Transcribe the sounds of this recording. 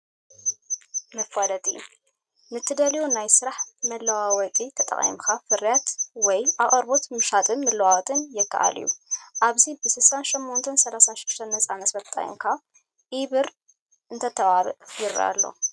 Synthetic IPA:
mɐfalɐt̪ʼḭ | nɨt̪ʰːɨd̪ɐljonajsɨɾaħmɐlːɐwawɐkʼit̪ʰɐt̪ʼɐ̰χʼḭmkʰafɨɾjat̪wɔjʔaχʼɐɾbo̞t̪mɨʃat̪ʼɨnmɐlɐwawt̪ʼɨnjɪkːa̰ʔa̰lḭjṵʔaβzibɨsɨlsanʃɛmːont̪ʰɐnsɐlasanʃɪd̪̥ʃt̪ʰɐnːɐt͡sʼamɐt̪fɐt̪ʼa̰j̰ŋkʰa | ʔiβɨɾ | ʔɨnt̪ʰɐt̪ʰɐβaβɨ̰ʔjiɾa̰lːo̰

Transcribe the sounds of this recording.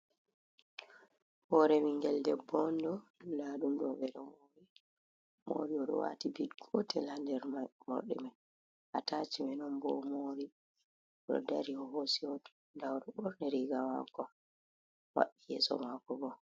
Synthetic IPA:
hɔɾɛmiŋɡɛldɛbɔndɔlaːɗumɗɔbɛɾɛmoɾi | mo̰ɾiɔɗɔ̰wa̰tibidɡʰɔtɛlhandɛɾmɔ̰ɗɛ̰man | ʔatat͡ʃimɛnɔmbɔmoɾi | ɗɔ̰daɾiɔhosiɔ | dawɾɔbɔɾnɛɾiɡama̰kɔ | wa̰ɗːijɛ̰sɔ̰makɔbɔ

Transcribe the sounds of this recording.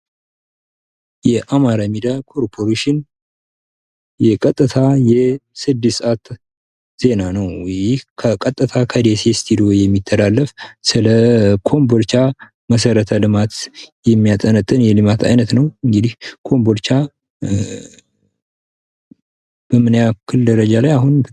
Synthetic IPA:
jɛʔamaɾamid̪akʰo̞ɾpʰoɾeʃɪn | jɛkʼət̪ʼːɨt̪ʰajɛsɨd̪ːɨsat̪ | z̥e̞nanəwjɪhkʰəkʼət̪ʼːɨt̪ʰakʰəd̪esest̪ʰid̪io̞jɛmːit̪ʰːəlalːəfsɨləkʰo̞mboɾt͡ʃa | məs̬əɾət̪ʰəlɨmat̪jɛmːijat̪ʼːənət̪ʼːɨnjɛlɨmat̪ʰa̰jnət̪nəwɨŋɡɨd̪ihkʰo̞mboɾt͡ʃa | b̥əmɨnjakʰːɨld̪əɾəd͡ʒalajaɦun

